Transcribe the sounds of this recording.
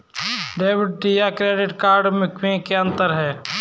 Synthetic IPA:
ɖeːʋɪɖ̚ʈijakɾeːɖɪʈkaːɾɖmʊkʰʋẽkeɐ̃nt̪əɾɦɛː

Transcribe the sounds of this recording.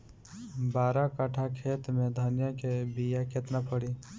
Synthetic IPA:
baːɾakəʈʰakʰeːt̪mẽd̪ʱənjəkebijakʰeːt̪napəɽiː

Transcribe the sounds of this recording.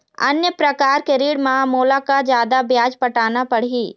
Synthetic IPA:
ɐ̰njəpɾəkaːɾkeɾiːɽmãmoːlakad͡ʒjaːd̪abjaːd͡ʒpəʈaːnapəɽ̤iː

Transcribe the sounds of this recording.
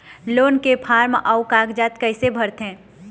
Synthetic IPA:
loːnkepʰaːɾmʔaʊkaːɡd͡ʒaːt̪kɐɪsebʱɐɾt̪ɦɛ̃ː

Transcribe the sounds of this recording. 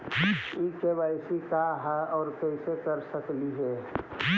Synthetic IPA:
ikebaɪsikaɦɛɔːɾkɛɪsekəɾsəkliɦɛ

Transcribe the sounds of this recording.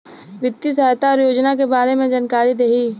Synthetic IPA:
ʋɪt̪ːis̬əɦt̪aɔːɾjoːd͡ʒnak̬ebaːɾemẽd͡ʒankaːɾid̪eɦiː

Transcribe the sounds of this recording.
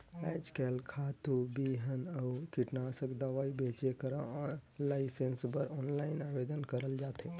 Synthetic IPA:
ɛd͡ʒkɛlkʰat̪ubiɦənəukiʈnasəkd̪aʋaibet͡ʃekəɾalaɪsensbəɾɔnlaɪnabed̪ənkəɾəld͡ʒat̪e

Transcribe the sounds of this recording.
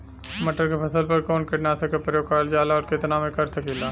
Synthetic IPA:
məʈəɾkepʰɐsəlpɐɾkɔːnkeʈnaːt̪ʰekepɾəjoːɡ̚kaːld͡ʒaːlaɔːɾket̪naːmẽkɐɾsəkelaː

